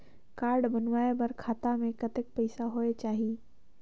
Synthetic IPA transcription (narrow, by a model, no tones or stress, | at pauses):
kaːɾɖbɐnʋaːebɐɾkʰaːt̪amẽkɐt̪ɪk̚pɐɪsaɦoːet͡ʃaːɦi